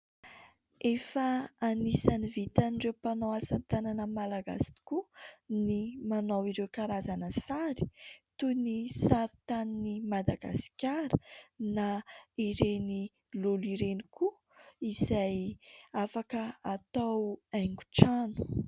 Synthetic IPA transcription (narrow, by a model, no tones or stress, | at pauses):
efaːnisanivit̪aniɖ͡ʐewpanowasant̪ananəmalaɡa̰si̥t̪i̥kunimanawiɾewkaɾazanəsaɾi̥t̪unisaɾit̪aninimad̪aɡa̰si̥kʲaɾənaiɾeni | luliɾeniku | izajafakəat̪awaŋɡu̥ʈ͡ʂanu̥